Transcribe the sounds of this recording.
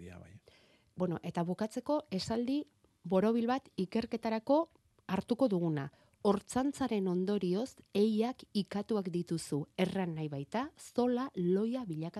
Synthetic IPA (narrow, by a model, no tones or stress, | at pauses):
bwenoʔe̞t̪aβukat͡se̞ko̞e̞sald̪i | βo̞ɾo̞β̞ilβat̪ike̞ɾke̞t̪aɾako̞ | aɾt̪uko̞ðuɣ̞una | o̞ɾt͡sant͡saɾe̞no̞nd̪o̞ɾio̞se̞jakikat̪uakd̪it̪usue̞ranːajβajt̪aso̞lalo̞jaβiʎaka